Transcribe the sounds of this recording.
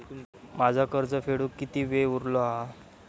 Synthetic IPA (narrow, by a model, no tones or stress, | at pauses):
mad͡zʱakəɾd͡zəfeɽukːit̪iːʋeuɾloɦa